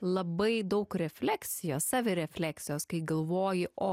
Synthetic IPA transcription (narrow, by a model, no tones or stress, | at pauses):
lˠɐbɐɪd̪ɐʊkɾʲɛfʲlʲæksʲɪjoːssɑːʋʲɪɾʲɛfʲlʲæːksʲɪjoːskɐɪɡɐlˠʋoːjɪʔoː